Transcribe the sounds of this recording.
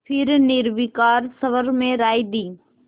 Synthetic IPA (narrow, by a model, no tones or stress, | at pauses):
pʰɪɾniːɾʋikaːɾsɐʋəɾmẽɾaːid̪iː